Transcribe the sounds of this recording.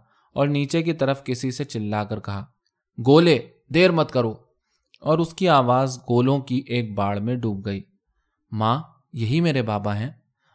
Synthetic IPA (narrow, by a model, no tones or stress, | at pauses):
ɔːɾniːt͡ʃek̬it̪ɐɾəfkɪsiset͡ʃɪlːaːkəɾkɐɦaː | ɡoːle | d̪eːɾmɐt̪kɐɾoː | ɔːɾʊskiaːʋaːzɡoːlõkiʔeːk̚baːɽmẽɖuːp̚ɡɐiː | mãː | jɐɦimeːɾebaːbaɦɛ̃ː